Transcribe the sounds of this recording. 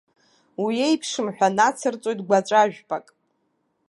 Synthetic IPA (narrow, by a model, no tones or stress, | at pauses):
wiejpʰʂɨmħᶣʷanat͡sʰɨrt͡sʷʼo̞jtɡʷat͡ʃʷʼaʒᶣpʼakʼ